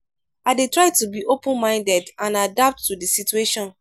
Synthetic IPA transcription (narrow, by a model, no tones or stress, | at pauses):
aɪdetɹaɪtubiʔopə̃nmãɪ̃ndɛdãnadap̚tːudisitueʃɔ̃n